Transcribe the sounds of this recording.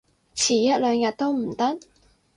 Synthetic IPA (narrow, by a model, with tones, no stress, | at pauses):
t͡sʰiː˨˩jɐ˥t̚lœː˨˧ŋjɐ˨t̚t̪o˥wm̩˨˩t̪ɐ˥t̚